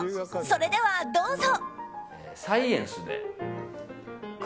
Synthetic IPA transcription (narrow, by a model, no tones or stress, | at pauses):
soɾe̞d̪e̞βad̪o̞ːzo | saiẽɰ̃sɨd̪ḛ | k